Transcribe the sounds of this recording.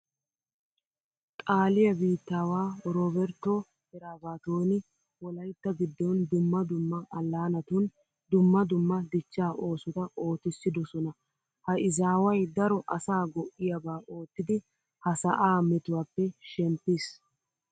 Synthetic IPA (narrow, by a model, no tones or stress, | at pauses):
t̪ʼaːlɪjɐbiːt̪ːaːwaːɾoːbɛɾt̪ːɔ | hɛɾaːbaːt̪oːnɪ | wɔlɐjt̪ːɐɡɪd̪ːɔnd̪ʊmːɐd̪ʊmːɐʔɐlːaːnɐt̪ʊn | d̪ʊmːɐd̪ʊmːɐd̪ɪt͡ʃːaːʔo̞ːsʊt̪ɐʔo̞ːt̪ɪsːɪd̪ɔsɔnɐ | hɐɪzaːwɐjd̪ɐɾɔʔɐsaːɡɔʔːɪjɐbaːʔo̞ːt̪ːɪd̪ɪ | hɐsɐ̰ʔaːmɛt̪ʊwaːpːɛʃɛmpːɪs